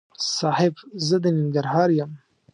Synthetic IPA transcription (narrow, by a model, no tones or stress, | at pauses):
sɑːhɪbzəd̪ənɪŋɡaɾɦɑːɾjam